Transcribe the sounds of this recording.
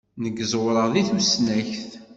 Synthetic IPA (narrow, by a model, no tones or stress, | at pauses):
nəɡəzwɾəʁðiθusnæçθ